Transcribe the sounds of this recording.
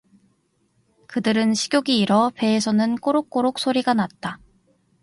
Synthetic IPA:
kɯdɯɾɯnɕʰi̥ɡjoɡiːɾʌpe̞ːsʰʌnɯnk͈oɾok͈̚oɾok̚s͈ʰoɾiɡanat̚t͈a

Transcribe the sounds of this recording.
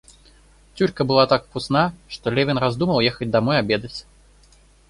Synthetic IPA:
t͡sʲulʲkɐbɨlˠat̪akpusnaʂt̪ɔlʲɛvʲɪnɾazd̪umɐlˠjɛxɐt͡sʲd̪amɔjabʲɛd̪ɐt͡sʲ

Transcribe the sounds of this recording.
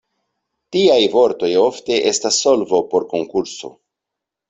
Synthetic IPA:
tiajvo̞ɾto̞jo̞fte̞ʔe̞stasːo̞lvo̞po̞ɾko̞ŋkuɾso̞̰

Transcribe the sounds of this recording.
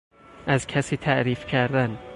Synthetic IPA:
ʔæzcʰæsiːt̪ʰæʔɾiːfcʰæɾd̪æn

